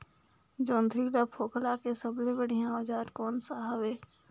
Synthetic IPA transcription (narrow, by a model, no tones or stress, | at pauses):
d͡ʒõːnd̪ʱɾid̪apʰoːklakesəblẽbəɽ̤ijãoːd͡ʒaːɾkɔːnsaːɦəʋeː